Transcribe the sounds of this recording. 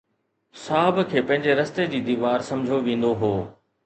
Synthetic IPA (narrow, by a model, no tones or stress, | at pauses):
saːɦɪbkʰeːpɐ̃ɦɪ̃ɲd͡ʑeɾɐst̪ed͡ʑiːd̪iːʋaːɾsɐ̃md͡ʑʱoʋĩːnd̪oɦoː